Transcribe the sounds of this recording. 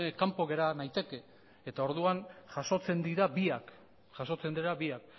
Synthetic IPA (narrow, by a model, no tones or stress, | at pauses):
kampo̞ɣe̞ɾanajt̪e̞ke̞ | et̪ao̞ɾðuanʝaso̞t͡se̞nd̪iɾabiak | ʝaso̞t͡se̞nd̪iɾaβiak